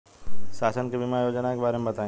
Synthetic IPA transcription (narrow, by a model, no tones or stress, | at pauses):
ʃaːsənkebʱɪmajoːd͡ʒənakebaːɾemẽbɐt̪aːẽ